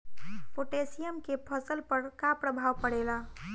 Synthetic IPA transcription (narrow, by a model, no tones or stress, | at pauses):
poʈesijəmkepʰəsəlpəɾkapɾəbʱawpəɽela